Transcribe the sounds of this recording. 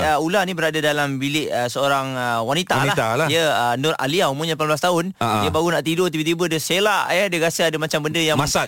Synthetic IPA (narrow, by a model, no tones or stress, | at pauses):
əulanĩbəɾadadalambilɪʔəsəoɾaŋəwanit̪alahalijəənʊra̰liaumũŋɲəlapanbəlast̪aʊniəbaɡunaʔt̪idot̪ibət̪ibədəselaʔjədəɾasəadəmat͡ʃambəndəjaŋmasa